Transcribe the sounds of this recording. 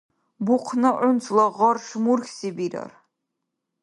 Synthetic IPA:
buqʰnɐʔʊnt͡sʰʼlɐʁɐrʂmurxʲsibiɾɐ̰r

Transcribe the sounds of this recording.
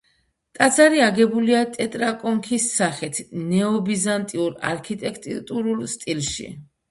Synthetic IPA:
t̪ʼat̪zaɾiaɡɛbuliat̪ʼɛt̪ʼɾakʼɔŋkʰisːaχit̪ʰnɛɔbizant̪ʼiuɾa̰ɾkʰit̪ʼɛkʰt̪ʼit̪ʼuɾulˠst̪ʼilˠʃḭ

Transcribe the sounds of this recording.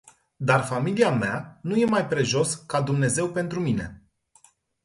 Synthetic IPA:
d̪arfamiliameanuje̞majpɾe̞ʒo̞skad̪umne̞ze̞wpe̞nt̪ɾumine̞̰

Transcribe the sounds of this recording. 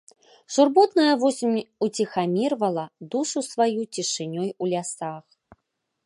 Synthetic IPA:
ʂurbɔt̪nɐjɐvɔsʲimʲut͡sʲixamʲirvɐlˠɐd̪uʂusvajut͡sʲiʂɨnʲɔjulʲasax

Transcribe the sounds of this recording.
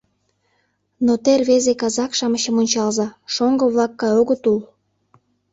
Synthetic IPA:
not̪erβezekɑzɑkʃɑməɕə̆monʲt͡ɕɑlzɑʃoŋɡəβlɑkːɑjoɣət̪ul

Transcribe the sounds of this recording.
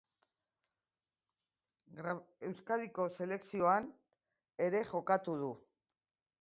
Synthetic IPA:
ɡɾe̞wskaðiko̞se̞le̞ksio̞an | e̞ɾe̞ʝo̞kat̪uð̞u

